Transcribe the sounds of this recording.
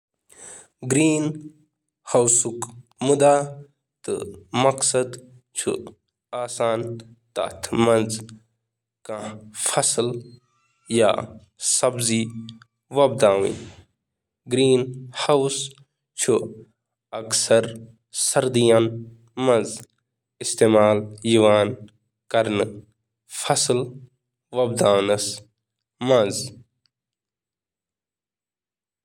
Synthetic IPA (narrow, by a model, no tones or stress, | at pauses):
ɡɾiːn | hɐwsukmud̪aː | t̪ɨ̰mɐksɐd̪ | t͡ʃʰṵ | aːsaːn | t̪a̰t̪ʰmɐ̃nz | kãfʰɐsl | ja̰ː | sɐbzi | ʋɐb̚d̪aːwḭ̃ | ɡɾiːnhɐws | t͡ʃʰu | ɐksɐɾ | sɐɾd̪ijan | mɐz | ɪst̪eːmaːljuʋaːn | kɐɾn | fʰɐsl | ʋɐb̚d̪aːnɨs | mɐz